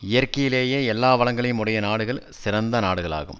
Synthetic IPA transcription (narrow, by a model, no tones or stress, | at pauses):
ɪjɐɾkɐjɪleːjeːɛlːaːʋɐɭɐŋɡɐɭɪjɯmʊɽɐjɐnaːɽɯɣɐɭsɪrɐnd̪ɐnaːɽɯɣɐɭa̰ːɣɯ̰m